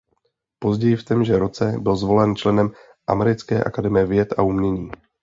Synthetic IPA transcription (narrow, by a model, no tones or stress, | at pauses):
po̞zɟɛjɪft̪ɛmʒɛɾo̞t͡sɛbɪlzvo̞lɛnt͡ʃlɛnɛm | ʔa̰mɛɾɪt͡skɛːʔa̰kadɛmɪjɛvjɛt̪ʔa̰umɲɛɲiː